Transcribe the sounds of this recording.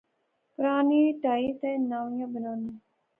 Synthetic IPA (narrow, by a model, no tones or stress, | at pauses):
pʊɾaːniːʈaːit̪eːnaːʋjãbənaːne